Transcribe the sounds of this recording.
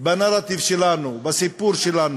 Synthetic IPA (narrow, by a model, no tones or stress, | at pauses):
bɐnaɾat̪ifʃilanubɐsipuɾʃilan